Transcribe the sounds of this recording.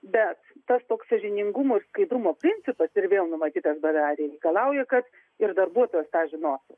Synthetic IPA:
bʲɛt̪ːɐst̪oːksɐʒʲɪnʲɪŋɡʊmoːɪrskɐɪd̪ɾʊmoːpʲɾʲɪnʲt͡s̪ʲɪpɐsɪrʋʲeːlˠnʊmɐt̪ʲiːt̪ɐsbɐd̪ɑːɾʲeːɾʲɛɪkɐlˠɐʊjɛkɐt̪ | ɪrd̪ɐrbuɔt̪oːjɛst̪ɑːʒʲɪnoːsʊ

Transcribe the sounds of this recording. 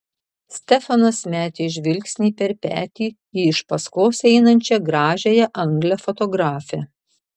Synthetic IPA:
sʲt̪ʲɛfɐnɐsmʲæːt̪ʲeɪʒʲʋʲɪlʲksʲnʲiːpʲɛɾpʲæ̰ːt̪ʲiː | ɪɪʃpɐskoːsɛɪnɐnʲt͡ʃʲɛɡɾɑːʒʲejɛʔɐŋɡlʲɛfɔt̪ɔɡɾɑːfʲɛ

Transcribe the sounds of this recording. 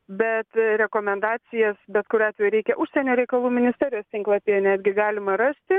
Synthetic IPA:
bʲɛt̪ɾʲɛkoːmʲɛnd̪ɑːsʲɪjɛsbʲɛt̪kʊɾʲɑːtʲʋʲɛjuʊɾʲɛɪkʲɛʔʊʃʲsʲɛnʲoːɾʲɛɪkɐlˠuːmʲɪnʲɪsʲt̪ʲɛːɾʲɪjoːst̪ʲɪŋklˠɐːpʲeːjnʲæːd̪ʲɡʲɪɡɑːlʲɪmɐɾɑːsʲt̪ʲɪ

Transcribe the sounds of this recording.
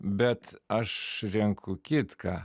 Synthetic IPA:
bʲɛt̪ɐʃɾʲɛŋkʰʊkʲɪt̪kɑː

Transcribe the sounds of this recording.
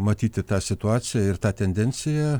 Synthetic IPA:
mɐt̪ʲiːt̪ʲɪt̪ɑːsʲɪt̪ʊɑːsʲɪjæɪrt̪ɑːt̪ʲɛnʲd̪ʲɛnʲsʲɪjæ

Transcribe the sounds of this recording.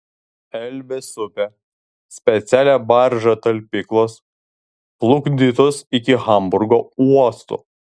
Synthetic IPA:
ɛlʲʋʲesʊpʲɛ | sʲpʲɛt̪sʲæːlʲæːbɐɾʒɐt̪ɐlʲpʲɪklˠos | plˠʊɡd̪ʲit̪osɪkʲɪɣɐmbʊɾɡoːuɔst̪ṵ

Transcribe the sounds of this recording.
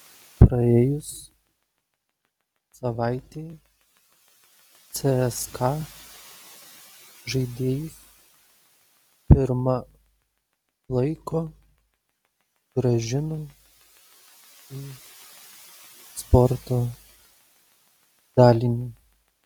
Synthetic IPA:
pɾɐeːjʊs | sɐʋɑˑɪt̪ʲeː | t̪sʲeɛskʰɑ | ʒɐɪd̪ʲeːjɪs | pʲɪɾmɐ | lˠɐɪkoː | ɡ̥ɾɐʒʲɪno | iː | spɔɾt̪oː | d̪̥ɑːlʲinʲi

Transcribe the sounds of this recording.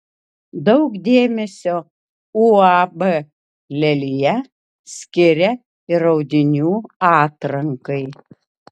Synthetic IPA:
d̪ɐʊkd̪ʲeːmʲɛsʲoː | uɑbɛ | lʲɛlʲɪjɛ | sʲkʲɪɾʲɛ | ɪɾɐʊd̪ʲɪnʲuːɑːt̪ɾɐŋkɐɪ

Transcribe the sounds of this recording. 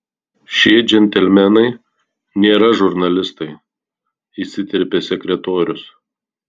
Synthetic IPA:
ʃʲeːd͡ʒʲɛnʲt̪ʲɛlʲmʲɛnɐɪ | nʲeːɾɐʒʊɾnɐlʲɪst̪ɐɪ | iːsʲɪt̪ʲɪɾʲpʲesʲɛkʲɾʲɛt̪oːɾʲʊs

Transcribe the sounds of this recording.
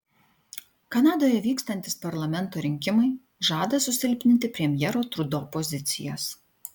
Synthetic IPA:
kɐnɑːd̪oːjɛʋʲiːkst̪ɐnʲt̪ʲɪspɐɾlˠɐmʲɛnˑt̪oːɾʲɪŋʲkʲɪmɐɪ | ʒɑːd̪ɐsʊsʲɪlʲpʲnʲɪnt̪ʲɪpʲɾʲɛmʲjɛɾoːt̪ɾʊd̪oːpɔzʲɪt̪sʲɪ̰joːs

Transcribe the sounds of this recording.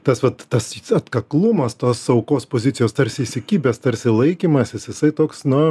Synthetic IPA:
t̪ɐsʋɐt̪tɐsɐt̪kɐklˠʊmɐst̪oːsɐʊkoːspoːzʲɪt̪t͡s̪ʲsʲɪjoːst̪ɐrʲsʲɪisʲɪkʲiːbʲɛst̪ɐrʲsʲɪlˠɐɪkʲiːmɐsʲɪsjɪsɐɪt̪oːksnʊ

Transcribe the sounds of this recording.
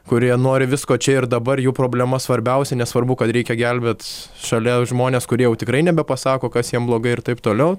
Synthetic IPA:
kʊɾʲiɛnoːɾʲɪʋʲɪskoːt͡ʃʲɛɪrd̪ɐbɐrjuːpɾoːbʲlʲɛmɐsʋɐɾʲbʲɛʊsʲɛnʲɛsʋɐrbʊkɐt̪ɾʲɛɪkʲɛɡʲælʲbʲeːt̪ʃɐlʲɛʒmoːnʲeːskʊɾʲiɛjɛʊt̪ʲɪkɾɐɪnʲɛbʲɛpɐsɑːkoːkɐsjiɛmblˠoːɡɐɪɪrt̪ɐɪpt̪oːlʲɛʊ

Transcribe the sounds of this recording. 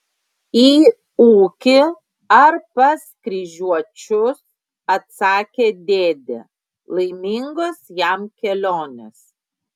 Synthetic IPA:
iː | uːkʲɪ | ɐɾpɐskɾʲiʒʲuɔt͡ʃʲʊs | ɐt̪sɑːkʲeːd̪ʲeːd̪ʲḛ | lˠɐɪmʲɪŋɡosjɛmkʲɛlʲoːnʲes

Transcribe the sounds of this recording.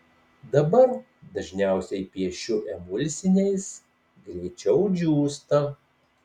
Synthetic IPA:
d̪ɐbɐɾ | d̪ɐʒʲnʲæˑʊsʲɛɪpʲiɛʃʲʊʔɛmʊlʲsʲɪnʲɛɪs | ɡɾʲit͡ʃʲɛʊd͡ʒʲuːst̪ɐ

